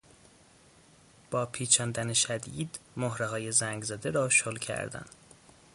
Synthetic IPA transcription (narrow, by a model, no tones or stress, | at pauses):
b̥ɒːpʰiːt͡ʃʰɒːnd̪æneʃæd̪iːd̪moɦɾeɦɒːje̞zæŋɡzæd̪eɾɒːʃolcʰæ̰ɾd̪æ̰n